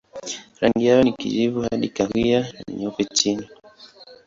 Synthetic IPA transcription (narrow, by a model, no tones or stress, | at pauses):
ɾaŋɡijajɔnikḭzivuhaɗikahwiananḭɲɔpɛt͡ʃini